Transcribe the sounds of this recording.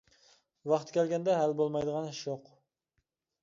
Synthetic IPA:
vɑχt̪kʲʰɛlɡʲɛnd̪ɛɦælbolˠmɑjd̪əʁɑnʃoq

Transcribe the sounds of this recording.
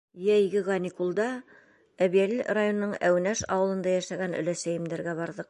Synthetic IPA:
jæjɡɘʁɑnʲikulˠd̪ɑ | æβiælirajonːɤɴæwnæʃɑ̰wɤ̆lˠɤ̆nd̪ɑjæʃæɡænɵ̰̆læsæjɘ̆md̪æɾɡæβɑɾðɤq̚

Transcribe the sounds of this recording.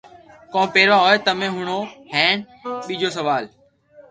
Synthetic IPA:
kõːpeːɾʋãːɦoːeːt̪əmẽːɦʊɳ̃oːhɛ̃ːɳ | ɓiːd͡ʒoːs̬əʋaːl

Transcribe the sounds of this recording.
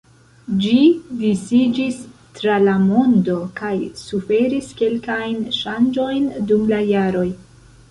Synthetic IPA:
d͡ʒidisid͡ʒis | tɾalamo̞ndo̞kajsufe̞ɾiske̞lkajnʃand͡ʒo̞jndumlajaɾo̞j

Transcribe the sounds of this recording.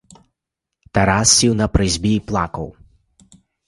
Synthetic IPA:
t̪ɐɾasʲːiwnɐpɾɪzʲbʲiplˠakɐw

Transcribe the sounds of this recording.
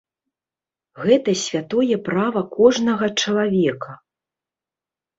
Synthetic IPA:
ɣɛt̪ɐsʲvʲat̪ɔjɛpɾavɐkɔʐnɐɣɐt͡ʂɐlˠavʲɛkʰɐ

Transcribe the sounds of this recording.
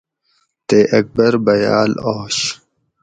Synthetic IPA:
t̪eːʔɐk̚bɐɾbɐja̰ːloːɕ

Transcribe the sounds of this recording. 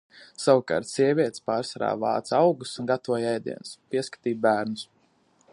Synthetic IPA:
sawuka̰ːɾt̪siɛvʲiɛt̪spaːɾsɾa̰ːva̰ːt̪sawɡusunɡat̪vuɔjɛjd̪ḭɛnspiɛskḁt̪iːbæːɾnus

